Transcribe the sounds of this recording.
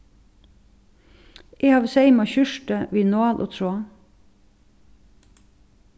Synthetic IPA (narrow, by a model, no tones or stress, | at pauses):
ʔeːhɑːʋseɪmɑçʉʃʈəʋiːnoɑːlʔo̰ːt̪ʰɾoːɑ